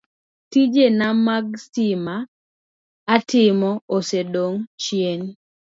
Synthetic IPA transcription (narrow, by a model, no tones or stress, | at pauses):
tid͡ʒenamaɡsimaː | tʰɪmɔosedoŋt͡ʃjen